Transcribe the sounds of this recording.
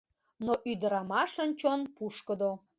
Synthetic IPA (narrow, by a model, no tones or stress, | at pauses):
noʔyd̪əɾɑmɑʃənt͡ɕonpuʃkə̆d̪o